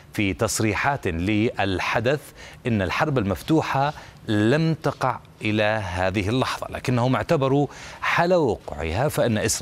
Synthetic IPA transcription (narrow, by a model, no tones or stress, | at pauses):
fit̪ɑsˤɾiːħaːt̪lɪʔɪlħad̪aθ | ʔɪnːalħɑɾˤbalmaft̪uːħa | lamt̪ɑqɑʕ | ʔɪlaɦaːðɪɦɪlːɑħðˤɑ̰la̰ːkɪnːahʊmɪʕt̪abɑɾˤuʕalawʊqʕɪ̰hafaʔɪnːaʔɪsɾ